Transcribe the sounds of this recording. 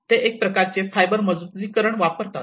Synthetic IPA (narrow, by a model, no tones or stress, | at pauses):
t̪eʔek̚pɾəkaɾt͡sefajbəɾməd͡zud͡ziːkəɾəɳʋapəɾt̪at̪